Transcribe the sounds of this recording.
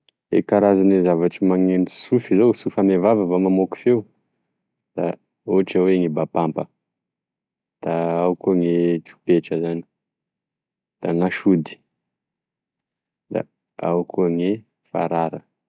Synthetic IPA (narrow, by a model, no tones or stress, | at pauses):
ḛkaɾazanizavaʈ͡ʂimaŋenisufizosufamevavəvamamoki̥feu | d̪̥a | uʈ͡ʂaweŋebapampə | d̪̥aawkuəŋet̪u̥peʈ͡ʂəzani̥ | d̪̥aŋaʃud̪i̥ | d̪a̰ | a̰kuəŋe | fa̰ɾaɾə